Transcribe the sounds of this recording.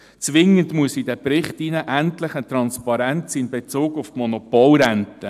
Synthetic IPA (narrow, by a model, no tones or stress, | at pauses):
t͡sʋɪŋːəndmuəsidɛpɾɪχtinəʔæntlɪχətɾɑnspɑɾɛnt͡sinbet͡soːɡʊftmɔnɔpɔlɾɛntə